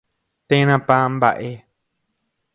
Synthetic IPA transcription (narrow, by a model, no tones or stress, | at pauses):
t̪ẽnãpãmba̰ʔe